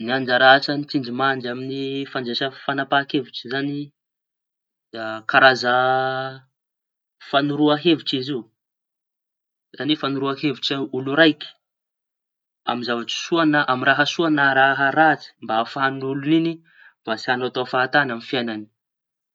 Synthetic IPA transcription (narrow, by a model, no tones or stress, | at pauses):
niand͡ʒaɾaʈ͡ʂənit̪ind͡ʒimaɳd͡ʒaminifand͡ʒeʃəfanapakevuʈ͡ʂi̥zani | akaɾazə | fanuɾuaɦevuʈ͡ʂiziu | z̥anifanuɾuahevuʈ͡ʂiuluɾajkʲi̥ | a̰mizavaʈ͡ʂi̥suanəʔamiɾaɦəsuanəɾaɦəɾat͡si̥mbaafɦanulunini | mb̥asianat̪oafaːt̪anamifiajnani̥